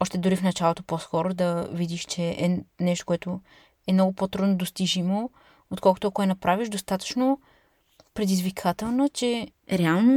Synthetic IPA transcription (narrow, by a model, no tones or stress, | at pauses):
ɔʃt̪ɛd̪ʊɾifnɐt͡ʃalˠot̪opɔskɔɾod̪ɐvid̪iʃt͡ʃɛʔɛnɛʃt̪o̥koɛt̪ʊ | ɛmnɔɡʊpot̪ɾud̪nod̪ost̪iʒimo | ot̪kɔlˠkʊt̪oɐkʊɛnɐpɾaviʃd̪ost̪at̪ə̥t͡ʃno | pɾɛd̪izvikʰat̪ɛlˠnət͡ʃɛ | ɾɛalˠno